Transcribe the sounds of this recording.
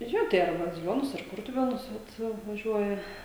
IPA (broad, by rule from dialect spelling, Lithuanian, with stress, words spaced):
ˈjoː tɐɪ ɐr bɐzʲɪˈlʲoːnʊs ɐr ˈkʊrtʊʋʲeːnʊs ʋɐt ʋɐˈʒʲuɔjɛ